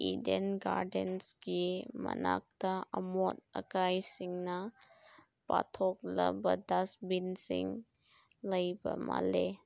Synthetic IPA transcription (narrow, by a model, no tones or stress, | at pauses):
idenɡaɾdensɡimɐnak̚taɐmot̚ɐkajsiŋnɐ | patʰɔk̚lɐbɐdasbinsiŋ | lɐjbɐmale